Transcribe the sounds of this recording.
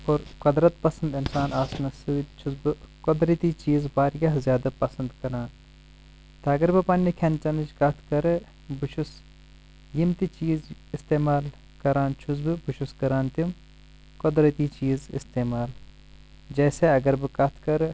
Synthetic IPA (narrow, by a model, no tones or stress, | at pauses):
oːɾkʊd̪ɾɐt̪̚pɐsɐnd̪ɪnsaːnaːsnɐsiwt͡ʃʰuzbɨkʊd̪ɾɐt̪it͡ʃiːzbaːɾɡɐɦzjaːd̪ɐpɐsɐnd̪kɐɾaːn | t̪ɐɐɡɐɾbɨpɐnːikʰɐnt͡ʃɐnɨt͡ʃkɐt̪ʰkɐɾ | bʊʃus | jimt̪it͡ʃiːzɪst̪eːmaːl | kɐɾãːnt͡ʃʰuz̬bɨbuʃuskɐɾaːnt̪im | kʊd̪ɾɐt̪iːt͡ʃiːzɪ̰st̪eːmaːl | d͡ʒeːseɐɡɐɾbɨkɐt̪ʰkɐɾ